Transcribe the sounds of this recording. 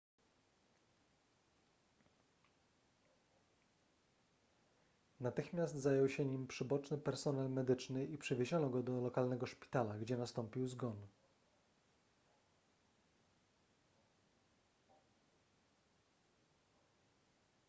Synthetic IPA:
nat̪ɘxmʲjast̪zajɔwɕɛɲimpʂɘbɔt͡ʂnɘpɛɾsɔnalmɛd̪ɘt͡ʂnɘipʂɘvʲeʑɔnɔɡɔd̪ɔlɔkalnɛɡɔʂpʲi̥t̪alaɡd͡ʑɛnast̪ɔmpʲiwzɡɔn

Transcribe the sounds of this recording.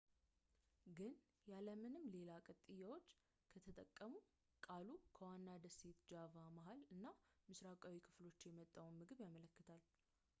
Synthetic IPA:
ɡɨn | jaləmɨnɨmːle̞lakʼət̪ʼɨjːawo̞t͡ʃː | kʰət̪ʰət̪ʼə̰kʼːəmu | kʼalukʰəwanːad̪əse̞t̪d͡ʒavamaɦalɨnːamɨsɾakʼawikʰɨ̥flo̞t͡ʃːjɛmət̪ʼːawnmɨɡɨβjamələkːɨt̪ʰal

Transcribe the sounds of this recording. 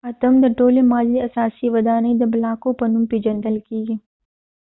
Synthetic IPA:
ɐt̪ɐmd̪ɐʈoːlemaːliɐsaːsiʋɐd̪aːned̪ɐblaːkopɐnũmpid͡ʒɐ̃nd̪ɐlkiːɡ

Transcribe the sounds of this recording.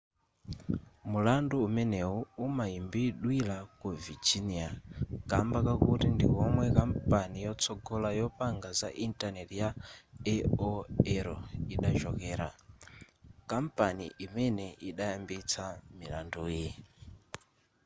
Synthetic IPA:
mulanduːmɛnɛɦuumaimbiːɗwilakuvid͡ʒiniakambakakutindḭkɔmwɛkampʼanijɔt͡sʰɔɡɔlajɔpaŋɡaza̰ʔintʼanɛtijaɛɔɛɾɔ̰iɗaʒɔkɛːɾa̰ | kampʼanḭʔimɛnɛʔiɗajambit͡sʰamila̰nduːji

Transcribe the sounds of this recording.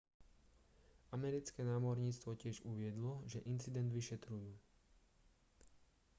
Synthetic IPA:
amɛɾit͡skɛnaːmɔɾɲiːt͡st̪ʋɔcɪɛʒuʋɪɛd̪lɔʒɛʔint͡sid̪ɛnd̪ʋiʃɛt̪ɾujuː

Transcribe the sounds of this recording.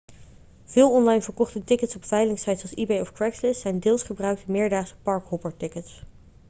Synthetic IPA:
v̥ɪːlˠɔnlɑjnvəɹkɔχtətɪkətsɔpfɛjlɪŋsɑjtsɑlˠsibejɔfkɹɛkslɪsɛjndɪːlˠsχəbrœɥk̚təmɪːɹdaːsə̥pɑɹkɦɔbəɹtɪkəts

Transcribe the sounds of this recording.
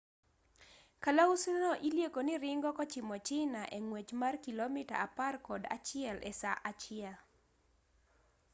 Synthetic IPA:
kalausunɔʔiljekonɪɾɪŋɡɔkɔt͡ʃɪmɔt͡ʃɪnaʔeŋwet͡ʃmarkilomɪta̰aparkɔda̰t͡ʃɪɛlʔɛ̰saʔat͡ʃɪɛl

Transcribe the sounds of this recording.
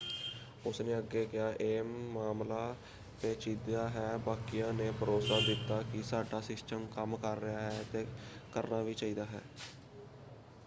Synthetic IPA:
ʊsneːəɡeːkɪaːʔeːmːaːmlaː | t̪eːt͡ʃiːd̪jaːɦɛːbaːkɪjãːneːbʱəɾoːsaːd̪ɪt̪ːaːkɪsaːɖaːsɪsʈəmkəmkəɾːɪjaːɦɛːt̪eːkəɾnaːʋiːt͡ʃaːiːd̪aːɦɛ̰ː

